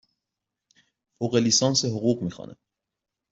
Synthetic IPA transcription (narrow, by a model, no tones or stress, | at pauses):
foːɣeliːsɑːnseɦoɣuːɣmiːxɑ̰ːnʔḛ